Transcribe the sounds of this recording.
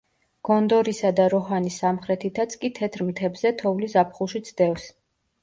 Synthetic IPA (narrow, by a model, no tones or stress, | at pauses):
ɡ̥ɔnd̪ɔɾisad̪aɾɔɦanisamχɾɛt̪ʰit̪ʰat̪sʰkʼit̪ʰɛt̪ʰɾmt̪ʰɛbzɛt̪ʰɔvlizapʰχulˠʃit̪sʰd̪ɛfs